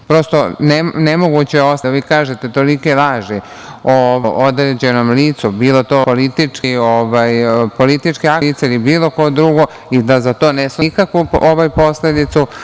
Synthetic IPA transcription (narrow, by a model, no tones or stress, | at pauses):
pɾo̞st̪o̞nenemo̞ɡut͡ɕeosʋiːkaːʒe̞t̪e̞t̪o̞likelaːʒi | oʋoʔod̪ɾed͡ʑe̞no̞mliːt̪subiːlo̞t̪o̞polit̪it͡ʂkioʋajpo̞lit̪it͡ʂkeait̪seilibiːlo̞ko̞d̪ɾuɡo̞ | id̪azat̪o̞ːneskakʋuoʋajpo̞sle̞d̪it̪su